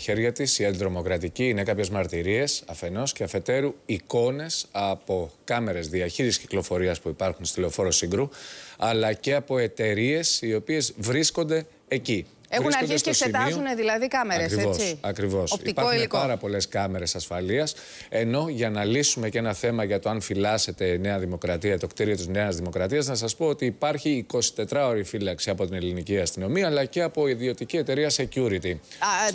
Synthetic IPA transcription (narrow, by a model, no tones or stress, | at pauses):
çe̞ɾʝɐt̪isiɐd̪ðɾo̞mo̞kɾɐt̪iciːne̞kɐpçe̞zmɐɾt̪iɾie̞sɐfe̞no̞sceɐfe̞t̪e̞ɾuiko̞ne̞sɐpo̞kɐme̞ɾe̞zðiɐçiɾsisci̥klo̞fo̞ɾiɐspuipɐɾxunst̪ileo̞fo̞ɾosiŋɡɾuɐlɐce̞ɐpo̞e̞t̪e̞ɾie̞sio̞pie̞zvɾisko̞nd̪e̞ː | ci | euɐiseoset̪mizouneðilɐðikɐmeɾɐekɾivosɐkɾivo̞soit̪ipɐoilikɐɾɐpo̞le̞skɐme̞ɾe̞sɐsfɐliɐs | e̞no̞ʝɐnɐlisume̞ce̞nɐθe̞mɐʝɐt̪oɐnfilɐse̞t̪e̞ne̞ɐðimo̞kɾɐt̪iɐt̪o̞kt̪iɾio̞t̪izne̞ɐzðimo̞kɾɐt̪iɐznɐs̬ɐspo̞ot̪iːpɐɾçiːko̞si̥t̪e̞t̪ɾɐo̞ɾifilɐksiɐpo̞t̪ine̞liniciɐst̪ino̞miɐːlɐce̞ɐpo̞iðio̞t̪icie̞t̪e̞ɾiɐse̞cuɾit̪i